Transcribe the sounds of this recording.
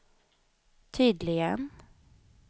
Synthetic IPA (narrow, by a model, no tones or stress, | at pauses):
t̪ʰyːd̪lɪɡən